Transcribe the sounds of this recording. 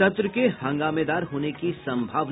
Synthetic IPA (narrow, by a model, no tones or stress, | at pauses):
ɐt̪ɾəkehɐ̃ŋɡaːmeːd̪aːɾɦoːnekisɐ̃mbʱaːʋ